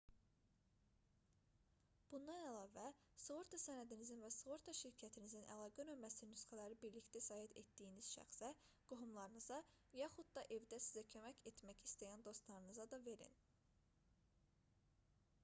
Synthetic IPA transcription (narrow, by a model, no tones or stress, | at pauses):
b̥und̪ɑnælˠɑːvæ | svo̞ɾt̪ʰɑsænæd̪inizinvæsvo̞ɾt̪ʰɑʃiɾcʰæt̪ʰinizinʔæ̰lˠɑːɡænømbæsinnysχælæɾibiɾlict̪æsɑːɦit̪e̞t̪d̪ijiniz̥ʃæ̰xsæ | ɡ̥oɦumlˠɑɾɯnɯzɑ | jɑχud̪̚d̪ɑʔe̞vd̪æsizæcʰø̞mæce̞t̪ʰmæcist̪æjænd̪o̞st̪lˠɑɾɯnɯzɑd̪ɑve̞ɾḭn